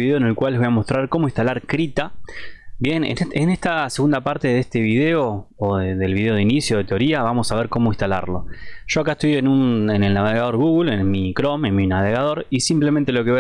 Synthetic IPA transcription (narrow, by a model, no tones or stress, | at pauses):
iðeoene̞lkwaleβojamo̞st̪ɾaɾko̞moĩnst̪alaɾkɾit̪a | bje̞nḛeneht̪ase̞ɣund̪apaɾt̪e̞ðest̪e̞βiðeo̞oðeðelβiðe̞o̞ð̞einisjoðe̞t̪eoɾiaβamo̞saβeɾko̞moĩnst̪ala̰ɾlo̞̰ʒ̥o̞ak̬aest̪ojenunenelnaβeɣaðo̞ɾɣuɣulenmikɾo̞menminaβeɣað̞o̞ɾisimplement̪̬e̞lo̞keβ